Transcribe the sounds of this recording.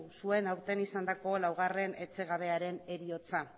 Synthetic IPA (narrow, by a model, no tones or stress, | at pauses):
usue̞nawɾt̪e̞nisand̪ako̞lawɣ̞are̞ne̞t͡se̞ɣ̞aβe̞aɾe̞ne̞ɾio̞t͡sa